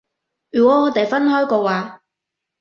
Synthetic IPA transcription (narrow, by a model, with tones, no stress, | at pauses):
yː˨kɔ˨˥ɔː˨˧t̪e˨jfɐ˥nɦɔː˥jkɔː˧waː˨